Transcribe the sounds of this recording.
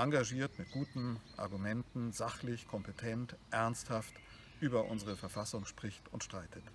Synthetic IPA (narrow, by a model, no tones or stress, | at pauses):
ʔaŋɡaʒiːɐtmɪt̚ɡ̥uːtn̩ʔa̰ɐɡumɛntn̩zaχlɪçkʰɔmpetʰɛntʔɛɐnsthaft | ʔyːbɐʔʊ̰nzəʁ̞əfɛɐfasʊŋʃpʁ̥ɪçtʊntʃtʁ̥aɪtʰət